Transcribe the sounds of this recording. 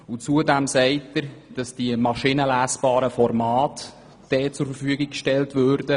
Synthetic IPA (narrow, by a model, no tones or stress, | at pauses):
ut͡suədæmsɛɪtəɾd̥ɑsd̥iəmɑʃinəlæːsb̥ɑːɾəfɔrmɑːt | d̥ɛːt͡sʊɾfərfyəɡiɡ̚kʃtɛltvøːɾd̥ə